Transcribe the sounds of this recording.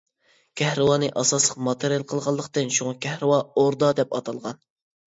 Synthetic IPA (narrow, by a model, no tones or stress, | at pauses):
kʲʰɛhɾɨwɑːnɨʔɑsɑslˠəqmɑt̪ʰɨɾjɛlˠqʰəlˠʁɑlˠːəqt̪ɨnʃuŋɑkʲʰɛhɾɨwɑoɾd̪ɑd̪ɛpɑt̪ʰɑlˠʁɑn